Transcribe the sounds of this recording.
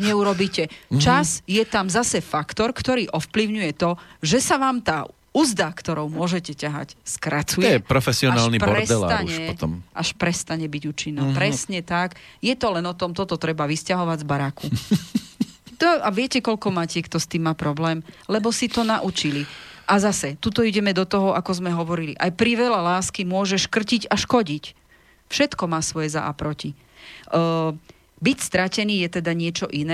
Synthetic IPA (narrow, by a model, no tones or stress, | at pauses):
ɲɛuɾɔbiːcɛt͡ʃazjɛt̪amzasɛfakt̪ɔɾkt̪ɔɾiːʔɔfpliʊɲujɛt̪ɔʒɛsaʋaːmt̪aː | uzd̪akt̪ɔɾɔʊmʊɔʒɛcɛcaɦa̰cskɾat͡sujɛjɛpɾɔfɛsiɔanaːlnipɾpɔɾɾɛsd̪ɛla̰aɲɛɔt̪ɔmʔaʃpɾɛst̪aɲɛbiɟuːt͡ʃinːɔpɾɛsɲɛt̪ak | jɛt̪ɔlɛnɔt̪ɔmt̪ɔt̪ɔt̪ɾɛbaʋiscaɦɔʋaɟzbaɾakʰu | t̪ɔaʋɪɛcɛkɔʎkɔmaːcɛkt̪ɔst̪iːmːaːpɾɔblɛːmlɛbɔsit̪ɔnaʔut͡ʃiliʔazasɛt̪ut̪ɔiɟɛmɛd̪ɔt̪ɔɦɔʔakɔzmɛɦɔʋɔɾiliʔajpɾiʋɛlalaːskimʊɔʒɛʃkr̩ciɟaʃkɔɟic | fʃɛt̪kɔmaːsʋɔjɛza̰ʔa̰pɾɔci | bicst̪ɾacɛniːjɛt̪ɛd̪aɲɪɛt͡ʃɔʔinɛ